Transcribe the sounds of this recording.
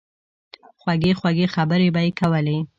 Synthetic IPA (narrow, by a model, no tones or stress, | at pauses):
xwaɡexwaɡexabəɾebajekawəle